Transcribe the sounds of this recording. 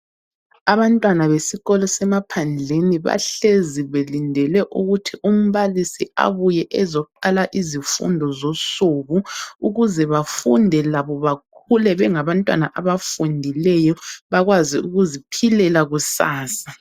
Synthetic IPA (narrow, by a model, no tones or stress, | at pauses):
aβantʼwanaβesiɣɔlɔsɛmapʰand͡ɮʱeniβa̰ɬeziβelindʱɛlɛʔuɣutʰiʔum̩βalisia̰βujɛʔɛzɔuǃalaʔizifṵndʱɔzosuɣuuɣuzɛβafundʱɛlaβɔβakʰulɛβɛŋaβantʼwa̰naʔaβafundʱilɛjɔβaɣwaziuɣuzipʰilɛlaɣusaːsa